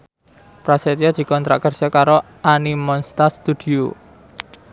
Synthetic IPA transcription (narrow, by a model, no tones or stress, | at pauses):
pɾaset̪iɔd̪̥i̤kɔnt̪ɾa̰ʔkərʒ̥akaɾo | ʔanimɔnst̪ast̪ud̪̥io